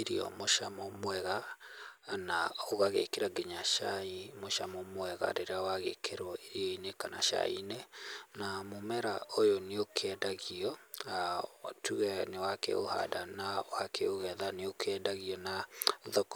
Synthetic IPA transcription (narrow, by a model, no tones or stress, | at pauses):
eɾiɔ̰moʃamɔmwɛɣa | naoɣaɣḛkeɾaɡeɲaʃaimoʃamɔmwɛɣa̰ɾeɾeawaɣekʰeɾwɔeɾiɔinekana̰ʃa̰ḭnenamomɛɾa̰ʔojoneokʰeɛdaɣiɔatʰuɣɛnewakɛ̰ʔo̰ha̰danawakʰɛoɣɛðaneokʰɛdaɣiɔnaðɔk